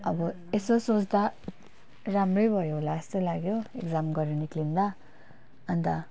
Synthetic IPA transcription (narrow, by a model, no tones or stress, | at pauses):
ʌbʌ | esosot͡sd̪a | ɾamrʌjbʱʌjoɦolaest̪ojlaɡjoekd͡zamɡʌɾeniklind̪a | ʌnt̪a